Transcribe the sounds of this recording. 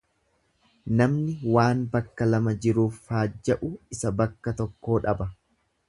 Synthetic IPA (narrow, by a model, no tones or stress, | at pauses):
nɐmnɪwaːnbɐkːɐlɐmɐd͡ʒɪɾuːfhaːd͡ʒːɐʔʊɪsɐbɐkːɐt̪ɔkːo̞ːᶑɐbɐ